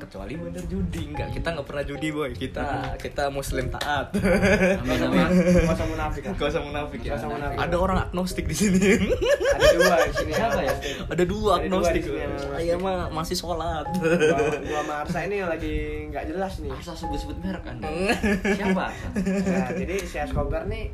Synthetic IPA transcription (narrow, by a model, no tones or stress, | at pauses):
kət͡ʃua̰libəndərd͡ʒudiŋɡa̰ʔkit̪aŋɡaʔpərnad͡ʒudibajkit̪akit̪amuslɪmt̪a̰ʔat̪̚ | samonafɪkkəwas̬amunafɪkjanaa̰daoɾaŋa̰k̚nost̪ɪk̚disini | adisinisapaj | adaduluak̚nost̪ɪn | jamamasɪhsolat̪̚ | ulamaasainialaɡiŋɡad͡ʒəlasnɪasasəbʊt̪̚səbʊt̪̚baɾaka̰n | siapa | d͡ʒadiseaskobərni